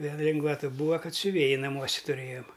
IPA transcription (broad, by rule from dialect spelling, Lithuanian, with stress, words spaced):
ˈʋʲeːlˠ ˈlʲɪŋɡʋɐtɐ ˈbuːɐ ˈkɐt sʲʊˈʋʲeːjɪ nɐˈmuɔsʲɛ tʊˈrʲeːjoːm